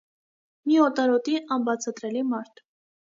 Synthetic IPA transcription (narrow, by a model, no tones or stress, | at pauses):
miɔt̪ɑɾɔt̪iɑnbɑt͡sʰɑt̪ɾɛlimɑɾt̪ʰ